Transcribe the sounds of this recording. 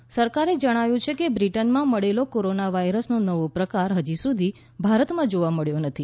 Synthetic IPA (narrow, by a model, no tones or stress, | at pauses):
səɾkaɾed͡ʒəɽ̃aʋjũt͡ʃʰekebɾiʈənmãməɭelokoɾonaʋaiɾəsnonəʋopɾəkaɾɦəd͡ʒisud̪ʱi | bʱaɾət̪mãd͡ʒoʋaməɭjonət̪ʰi